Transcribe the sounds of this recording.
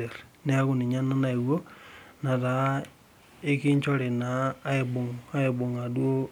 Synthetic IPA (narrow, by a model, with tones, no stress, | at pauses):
e˨ɾne˦a˦ɣu˦ni˨ɲa˦na˦na˨i˨wo˦na˨ða˨ | e˦ki˦ɲt͡ʃo˦ɾe˨naː˦e˨bo˨ŋa˦e˨bo˨ŋa˨dwo˦